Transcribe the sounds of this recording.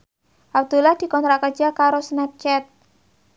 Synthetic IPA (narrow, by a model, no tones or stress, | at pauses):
ʔab̚d̪̥ulahd̪̥i̤kɔnt̪ɾaʔkə̥d͡ʒ̥a̤kaɾosnɛp̚t͡ʃɛt̪̚